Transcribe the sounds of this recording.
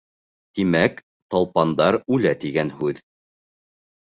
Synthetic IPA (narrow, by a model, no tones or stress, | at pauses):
t̪imæk | t̪ɑlˠpɑnd̪ɑɾʉlæt̪iɡænhʉð